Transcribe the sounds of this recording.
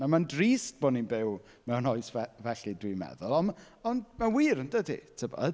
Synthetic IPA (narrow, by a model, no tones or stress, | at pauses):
namandriːst̚b̥ɔninbɪw | mɛwnɔɨsvɛvɛɬidwimɛ̰ðʊlˠɔn | ɔnmawiːɾəndədḭtʰəbɔ̰